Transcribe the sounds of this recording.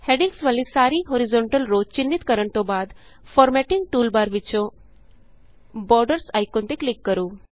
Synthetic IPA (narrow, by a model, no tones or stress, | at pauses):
heɖiŋɡsʋalisaɾiːɦoɾizoɳʈəlɾod͡ʒt͡ɕind̪it̪kəɾəɳt̪obad̪ | fɔɾmɛʈiŋɡ̚ʈuːlbaɾʋit͡ɕo | bɔɾɖəɾsajkõnt̪iklikːəɾuː